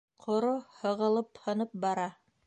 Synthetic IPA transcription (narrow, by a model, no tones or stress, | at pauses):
qʰŏɾohɤ̆ʁɤ̆lˠɤphɤ̆nɤp̚bɑɾɑ